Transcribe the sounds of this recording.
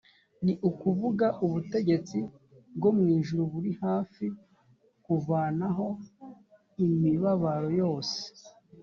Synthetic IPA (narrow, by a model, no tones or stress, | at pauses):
niʔukuvuɡaʔuβute̞ɟe̞t͡si | bɡo̞mŋiːʒuɾuβuɾihaːfi | kuvaːnaɦo̞ | imiβaβaɾo̞jo̞ːse̥